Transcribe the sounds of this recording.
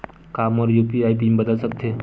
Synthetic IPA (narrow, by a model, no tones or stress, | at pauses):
kaːmɔːɾjuːpiaːip̬imbəd̪əlsək̚t̪ʰe